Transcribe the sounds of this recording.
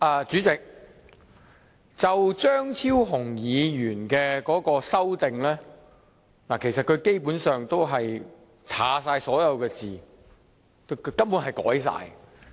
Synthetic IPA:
ʔɐː˨t͡ʃyː˨˥t͡sɪ˨k̚ | t͡sɐ˨wt͡ʃœː˥ŋt͡sʰiː˥wɦʊ˨˩ŋjiː˨˧jyː˨˩nkɛː˧kɔː˨˥kɔː˧sɐ˥wt̪ɪ˨ŋlɛː˥ | laː˨˩kʰe˨˩jsɐ˨t̚kʰɵ˨˧ɥke˥jpuː˨˥nsœː˨ŋt̪o˥wɦɐ˨j | t͡sʰa̰ː˨˥saː˧jsɔː˨˥jɐ˨˧wkɛː˧t͡siː˨ | ko˧kʰɵ˨˧kɐ˥mpu˨˥nhɐ˨jkɔ̰ː˨˥js̬a̰ː˧j

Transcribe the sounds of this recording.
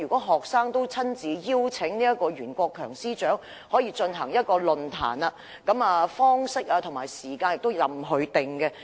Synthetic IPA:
yː˨kʷɔː˨˥ɦɔː˨k̚saː˥ŋt̪o˥wt͡sʰɐ˥nt͡siː˨˧jiː˥wt͡sʰɪ˨˥ŋni˥ɐ˥t̚kɔː˧jyː˨˩nkʷɔː˧kʰːœ̰ː˨˩ŋsiː˥t͡ʃœː˨˥ŋ | hɔː˨˥jiː˧t͡ʃɵ˧nɦɐ˨˩ŋjɐ˥t̚kɔː˧lɵ˨nt̪ʰa̰ː˨˩na˧ | kɐ˨˥maː˧fɔː˥ŋsɪ˥k̚aː˧t̪ʰʊ˨˩maː˨˩jsiː˨˩kaː˧njɪ˨k̚t̪o˥wjɐ˨mɦɵ˨˧ɥt̪ɪ˨ŋkɛ˧

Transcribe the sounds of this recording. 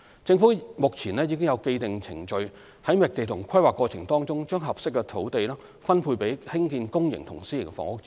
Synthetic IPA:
t͡sɪ˧ŋfu˨˥mʊ˨k̚t͡sʰiː˨˩nɛː˥ji˨˧k̬ɪ˥ŋjɐ˨˧wke˧jt̪ɪ˨ŋt͡sʰɪ˨˩ŋt͡ʃɵ˨ɥ | hɐ˨˥jmɛ˨˩k̚t̪e˨jt̪ʰʊ˨˩ŋkʷʰɐ˥jwaː˨˩kːɔː˧t͡sʰɪ˨˩ŋt̪ɔː˥ŋt͡sʊ˥ŋt͡ʃœː˥ŋɦɐ˨p̚sɪ˥k̚ːɛ˧t̪ʰo˨˥wt̪e˨jlɛː˥ | fɐ˥npʰuː˧pe˨˥jhɪ˥ŋkiː˧nkʊ˥ŋjɪ̰˨˩ŋt̪ʰʊ˨˩ŋsiː˥jɪ˨˩ŋfɔ̰ː˨˥ŋʊ˥k̚t͡s

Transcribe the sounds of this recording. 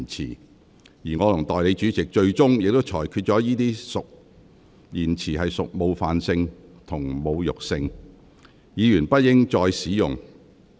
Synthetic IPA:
nt͡sʰḭː˨˩ | jiː˨˩ŋɔː˨˧lʊ˨˩ŋt̪ɔː˨jle˨˧jt͡ʃyː˨˥t͡sɪ˨k̚t͡ʃɵ˧ɥt͡sʊ˥ŋjɪ˨k̚t̪o˥wt͡ʃʰɔː˨˩jkʰyː˧t̚t͡ʃɔː˨˥jiː˥t̪iː˥sʊ˨k̚ | jiː˨˩nt͡sʰiː˨˩ɦɐ˨jsʊ˨k̚mo˨˧wfaː˨nsɪ˧ŋt̪ʰʊ˨˩ŋmo˨˧wjʊ˨k̚sɪ˧ŋ | jiː˨˧jyː˨˩npɐ˥t̚jɪ˥ŋt͡ʃɔː˧jsiː˨˥jʊ̰˨ŋ

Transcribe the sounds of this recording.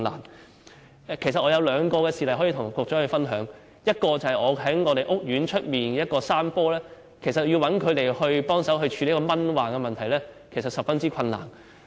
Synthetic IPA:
la̰ː˨˩n | ɛ˨˧kʰe˨˩s̬ɐ˨t̚ʔɔː˨˧jɐ˨˧wlœː˨˧ŋkɔː˧kɛː˧siː˨lɐ˨˩jɦɔ˨˥ji˧t̪ʰʊ˨˩ŋ˩kʷʊː˨˧k̚t͡sɔ˨˥hɵ˧fɐ˥nɦœː˨˥ŋ | jɐ˥t̚kɔː˧t͡sɐ˨˩hɐ˨jɔː˨˧ɦɐ˨˥jŋɔː˨˧ɾe˨jʔʊ˥k̚jyː˨˥nt͡ʃʰɵ˥t̚miː˨nɛ˧jɐ˥t̚kɔː˧saː˥mpɔː˥lɛː˥ | kʰe˨˩s̬ɐ˨t̚ji˧wɐ˨˥nkʰɵ˨˧ɥt̪e˨˩jhɵ˧ɥpɔː˥ŋsɐ˨˥wɦɵ˧ɥt͡ʃʰyː˧le˨˥kɔ˧mɐ˥nwaː˨ŋkɛː˧mɐ˨nt̪ʰɐ˨˩jlɛː˥kʰe˨˩s̬ɐ˨t̚sɐ˨pfɐ˥nt͡siː˥kʰɐ˧nla̰ː˨˩n

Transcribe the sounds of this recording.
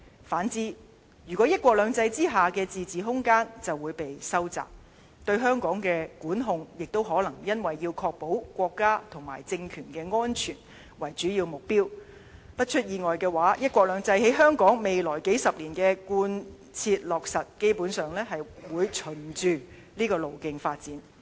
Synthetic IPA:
faː˨˥nt͡siː˨˥ | jyː˨˩kʷɔː˨˥jɐ˥t̚kʷɔː˧k̚lœː˨˧ŋt͡sɐ˧jt͡siː˥ɦaː˨kɛː˧t͡siː˨t͡siː˨ɦʊ˥ŋkaː˥nt͡sɐ˨wːuː˨˧jpe˨jsɐ˥wt͡sa̰ː˨p̚ | t̪ɵ˧ɥɦœː˥ŋkɔː˨˥ŋkɛː˧kuː˨˥nɦʊ˧ŋjɪ˨k̚t̪o˥wɦɔː˨˥lɐ˨˩ŋjɐ˥nwɐ˨jːiː˧wkʰɔː˧k̚po˨˥wkʷɔː˧kːaː˥t̪ʰʊ˨˩ŋma̰ː˨˩jt͡sɪ˧ŋkʰyː˨˩nkɛː˧ŋɔː˥nt͡ʃʰyː˨˩n | wɐ˨˩jt͡ʃyː˨˥jiː˧wmʊ˨k̚piː˥w | pɐ˥t̚t͡ʃʰɵ˥t̚jiː˨ŋɔː˨jkɛː˧waː˨˥jɐ˥t̚kʷɔː˧k̚lœː˨˧ŋt͡sɐ˧jhe˨˥jɦœː˥ŋkɔː˨˥ŋme˨jlɔː˨˩jke˨˥jsɐ˨p̚liː˨˩nkɛː˧kuː˧n | t͡sʰiː˧t̚lɔː˨˩k̚sɐ˨t̚ke˥jpuː˨˥nsœː˨ŋlɛː˥ɦɐ˨jwuː˨˧jt͡ʃʰɵ˨˩nt͡ʃyː˨˧ | liː˥kɔː˧lo˨˩wkɪ˧ŋfaː˧t̚t͡siː˨˥n

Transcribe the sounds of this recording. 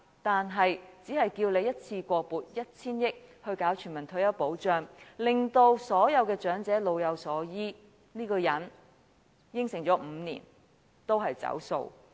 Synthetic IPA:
t̪aː˨nɦɐ˨jt͡siː˨˥hɐ˨jkiː˧wle˨˧jɐ˥t̚t͡sʰiː˧kʷɔː˧puː˨t̚jɐ˥t̚t͡sʰiː˥njɪ˥k̚hɵ˧ɥkaː˨˥wt͡ʃʰy˨˩nmɐ˨˩nt̪ʰɵ˧ɥjɐ˥wpo˨˥wt͡ʃœː˧˩ŋlɪ˨ŋt̪o˧wsɔː˨˥jɐ˨˧wkɛː˧t͡ʃœː˨˥ŋt͡sɛː˨˥lo˨˧wjɐ˨˧wsɔː˨˥jiː˥ | niː˥kɔː˧jɐ˨˥n | jɪ˥ŋsɪ˨˩ŋt͡ʃɔː˨˥m̩˨˧˦nḭː˨˩n | t̪o˥wɦɐ˨jt͡sɐ̰˨˥wso̰˨˧w

